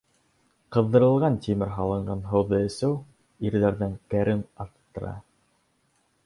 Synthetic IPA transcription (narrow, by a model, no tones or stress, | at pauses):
qɤ̆ðdːɤ̆ɾɤ̆lˠʁɑnt̪ʲimɘɾɦɑlˠɤ̆ɴɢɑnɦɤ̆wðɤɘ̆sɘw | iɾðæɾðɘŋkæɾʔɘnɑt̪ːɤ̆ɾɑ̰